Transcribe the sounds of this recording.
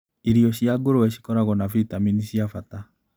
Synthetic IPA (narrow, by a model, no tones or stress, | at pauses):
iɾiɔɕiaɡoɾoɛɕi̥kɔɾaɣɔnafitaminiɕiafata